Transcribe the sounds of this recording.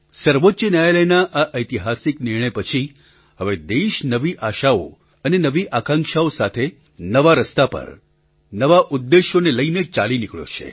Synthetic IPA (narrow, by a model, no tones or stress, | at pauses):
səɾʋotːʃənjajaləjnaʔaʔəjt̪iɦasiknɪɾɳ̃əjpət͡ʃʰi | ɦəʋed̪eʃnəʋiʔaʃao̰ | ənenəʋiʔakãŋkʃaosat̪ʰe | nəʋaɾəst̪apə̰ɾ | nəʋaʔud̪ːeʃoneləinet͡ʃalinikɭjo̰t͡ʃʰḛ